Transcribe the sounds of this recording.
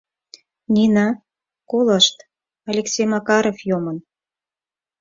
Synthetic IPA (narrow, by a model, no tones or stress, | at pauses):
nʲinɑ | koləʃt̪ | ɑlʲeksʲejmɑkɑɾofjomən